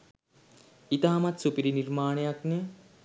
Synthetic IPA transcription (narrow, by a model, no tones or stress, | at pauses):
it̪aɦɐmɐt̪supiɾiniɾmaːɳejakne